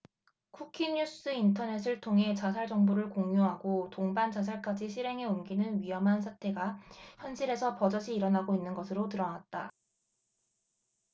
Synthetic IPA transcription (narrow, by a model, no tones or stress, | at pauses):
kʰukʰiɲus͈ɯintʰʌne̞s̬ʰɯɭtʰoŋɦe̞t͡ɕasʰaɭd͡ʑʌŋbuɾɯɭkoŋjoɦaɡotoŋbant͡ɕas̬ʰaɭk͈ad͡ʑiɕʰiɾɦe̞ŋe̞umɡinɯnɥiɦʌmɦans̬ʰatʰe̞ɡaçjʌnɕʰiɾe̞sʰʌpʌd͡ʑʌɕʰiːɾʌnaɡoinːɯnɡʌsʰɯɾotɯɾʌnat̚t͈a